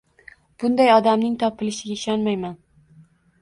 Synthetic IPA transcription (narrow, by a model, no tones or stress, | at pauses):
b̥ʊnd̪ajɒd̪amnɪŋt̪ʰɒpʰɪlɪʃɪɡʲaɪʃɒnmajman